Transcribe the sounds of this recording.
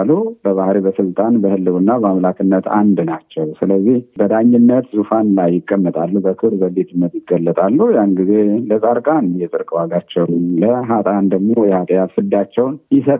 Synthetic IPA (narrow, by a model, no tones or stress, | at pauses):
lubəβahɾibəsɨlt̪ʼanbəhɨlːɨβɨnːabəamlakʰɨnːət̪ʰa̰nd̪nat͡ʃːɛwsɨləzːihbəd̪aɲːɪnːət̪zufanlajːɪkʼːəmːət̪ʼalːubəkʰɨɾbəlet̪ɨnːət̪jɪɡːəlːət̪ʼalːujanɡizeləsʼaɾkʼanjɛt̪ʼɨɾkʼwaɡat͡ʃːɛwnləɦat̪ʼand̪əɡmo̞jɛhat̪ʼəjat̪fɨd̪at͡ʃːɛwnjɪsət̪ʼ